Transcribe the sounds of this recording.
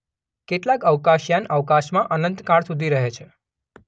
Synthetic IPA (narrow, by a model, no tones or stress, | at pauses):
keʈlakəʋkaʃjanəʋkaʃmãʔənənt̪kaɽsud̪ʱiɾəɦet͡ʃʰe